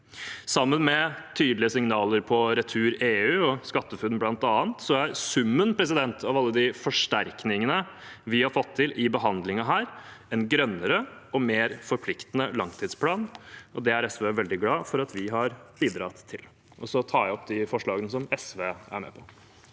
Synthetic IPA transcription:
sɑmːənmɛt̪ʰyːd̪lɪəsɪŋnɑːləɾpʰɔɾɛt̪ʰʉːɾeːʉːɔskɑt̪ːəfʉd̪nblɑnt̪ɑːnt̪sɔæɾsʉmːənpʰɾɛs̬ɪd̪ɛnt̪ʰɑʋɑlːəd̪ɪfɔʂʈæɾknɪŋənə | ʋɪhɑɾfɔt̪ʰːɪlʔɪbəɦɑnd̪lɪŋɑɦæːɾɛnɡɾœnːəɾəɔmeːɾfɔɾpʰlɪkt̪ənəlɑŋt̪ʰiːd̪spʰlɑːnɔd̪ɛæɾɛsʋeːʋɛld̪ɪɡlɑːfɔɾɑt̪ʰʋɪɦɑɾbiːd̪ɾɑːt̪ʰːɪl | ʔɔsɔt̪ʰɑːæɔpd̪ɪfɔʂɭɑːɡənəsɔmɛsʋeːæ̰ɾmɛ̰ːpʰɔ

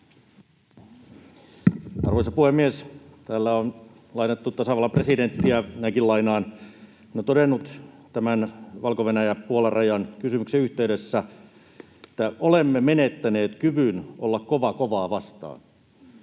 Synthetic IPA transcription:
ɑ̰rʋoisɑpuhemːiest̪æːlːæon | lɑinet̪ːut̪ɑsɑʋɑlːɑpresident̪ːiænæikilɑinɑːn | not̪odenːut̪t̪æmænʋɑlkoʋenæjæpuolɑrʔɑjɑnkysymykseyht̪eydesːæ | et̪ːæʔolemːemenet̪ːæneːt̪kyʋynʔo̰lːɑkkoʋɑkoʋɑːʋɑst̪ɑ̰ːn

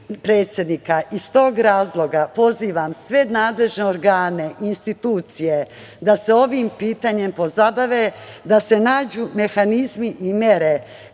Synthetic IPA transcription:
pɾe̞ːt̪sʲjed̪nikaʔist̪o̞ːɡɾaːzlˠo̞ɡapo̞ziːʋamsʋe̞naːd̪le̞ʒneoɾɡaːne̞ʔinst̪it̪uːt̪sije̞ | d̪ase̞o̞ʋiːmpiːt̪aɲe̞mpo̞zabaʋed̪ase̞naːd͡ʑuːme̞xanizmiʔimje̞ɾe̞

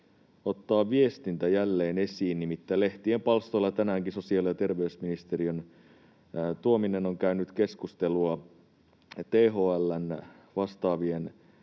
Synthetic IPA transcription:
o̞t̪ːɑːʋʋiest̪int̪æjælːe̞ːne̞siːnnimit̪ːæle̞ht̪ie̞mpɑlst̪o̞ilːɑt̪ænæːŋkiso̞siɑljɑt̪e̞rʋe̞ysminist̪erion | t̪uomine̞no̞ŋkæynyt̪ke̞skust̪e̞luɑ | t̪eːɦoːælːæn | ʋɑst̪ɑːʋien

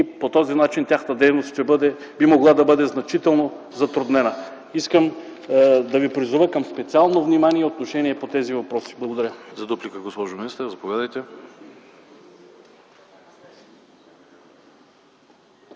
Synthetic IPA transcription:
ipot̪ɔzinat͡ʃint̪ʲjaxnət̪əd̪ɛjnost̪ʃt̪ɛbɤd̪ɛ | bimoɡlˠad̪ɐbɤd̪ɛznɐt͡ʃit̪ɛlˠno | zɐt̪ɾʊd̪nɛnə | iskəm | d̪ɐvipɾizuvəkəmspɛt̪sialˠnovnimaniɛot̪noʃɛniɛpot̪ɛzivɐpɾɔsi̥blˠɐɡod̪ɐɾʲəzɐd̪uplikəɡospɔʒominist̪əɾzɐpovʲad̪əjt̪ɛ

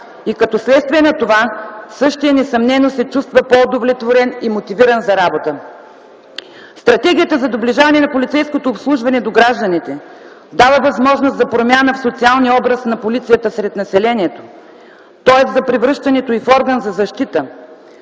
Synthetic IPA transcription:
ikɐt̪ɔslɛt̪st̪viɛnɐt̪ovasɤʃt̪iɛnɛsɐmnɛnosɛt͡ʃust̪vəpood̪ovlɛt̪voɾɛnimot̪iviɾənzɐɾabot̪ə | st̪ɾɐt̪ɛɡ̟ʲijət̪əzɐd̪obliʒavɐnɛnɐpolʲit̪sɛjskot̪oːpslˠuʒvɐnɛd̪oɡɾaʒd̪ɐnit̪ɛ | d̪avəvɐzmɔʒnost̪zɐpɾomʲjanəfsot̪sialˠniɔbɾəsnɐpolit̪sijət̪əsɾɛt̪nɐsɛlɛniɛt̪o̥ | t̪ɔɛszɐpɾɛvɾɤʃt̪ɐnɛt̪oifɔɾɡənzɐzɐʃt̪it̪ə

